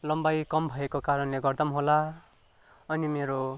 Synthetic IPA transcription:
lʌmbajkʌmbʱʌekokaɾʌnleɡʌrd̪ʌmɦola | ʌnimeɾo

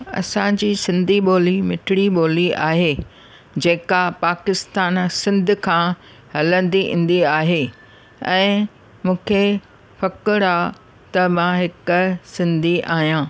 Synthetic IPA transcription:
ɐ̰sãd͡ʑiːsɪ̃nd̪ʱiɓoːlimɪʈʰɪɽiɓoːliaːɦeː | d͡ʑeːkapaːkɪst̪aːnsɪ̃nd̪ʱʊ̆kʰãː | ɦɐlə̃nd̪iʔḭ̃ːn̆d̪iaːɦe | ɛ̃ː | mũːkʰe | fɐkɪɽaː | t̪ɐmãɦɪkʊsɪ̃nd̪ʱiʔaːɦijãː

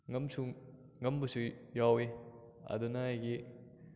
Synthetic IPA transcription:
ŋɐmsu | ŋɐmbusujawe | ɐ̰dunɐajɡi

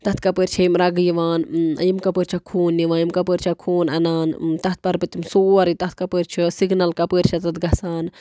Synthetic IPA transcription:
t̪ɐt̪ʰkɐpəɾʲt͡ʃʰɐjimɾɐɡjiʋaːnɐ̰jimkɐpəɾʲt͡ʃʰɐkʰoːnːiʋaːjimkɐpəːɾt͡ʃʰɐkʰoːnɐnaːnt̪ɐt̪̚pɐɾpɨt̪imsoːɐɾit̪ɐt̪̚kɐpəːɾʲt͡ʃʰisiɡnɐlkɐpəːɾʲt͡ʃʰɐt̪ɐt̪ɡɐsaːn

